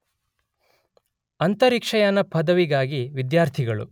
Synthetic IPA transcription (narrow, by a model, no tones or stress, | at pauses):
ɐnt̪ɐɾikʂɐjɐnɐpʰɐd̪ɐʋiɡaːɡiʋid̪jaːɾt̪ʰiɡɐɭṵ